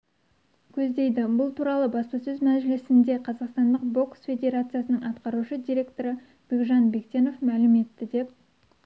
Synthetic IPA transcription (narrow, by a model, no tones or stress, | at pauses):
kʲʰɵzd̪e̞jd̪ɪbʊlˠt̪ʰuɾɑlˠəbɑspɑsɵzmæʒʒɪlɪsɪnd̪e̞qʰɑzɑqst̪ɑnd̪əqbo̞ksfʲe̞d̪ʲe̞ɾat̪sɨjasənəɴɑt̪qɑɾuʃəd̪ʲiɾʲe̞kt̪o̞ɾə | b̥ekʒɑnbe̞kt̪ʲe̞no̞fmælɪme̞t̪ːɪd̪e̞p̚